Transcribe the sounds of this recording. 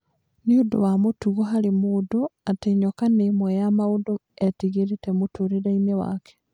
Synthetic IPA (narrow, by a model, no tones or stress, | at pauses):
neodo̰wamotuɣɔɦaɾemoːdoateɲɔkanemwɛjamaodoɛtiɣeɾetɛmotʰoɾeɾainewa̰kɛ̥